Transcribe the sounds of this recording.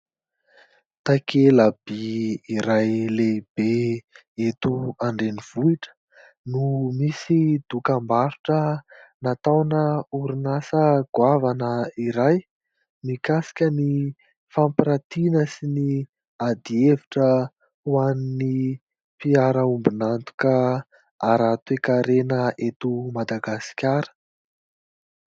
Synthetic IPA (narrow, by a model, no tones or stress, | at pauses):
t̪akʰelab̥iiɾajleb̥e | et̪uaɳɖ͡ʐeniv̥uiʈ͡ʂə̥ | numisid̪ukambaɾuʈ͡ʂənat̪awnəuɾunasəɡ̥wavanəiɾaj | mikasi̥kʲəni | fampɾat̪inəsini | ad̪ieviʈ͡ʂə | wanini | piaɾəumbunant̪u̥kə | aɾat̪wekaɾenəʔet̪umad̪aɡasi̥kʲaɾə̥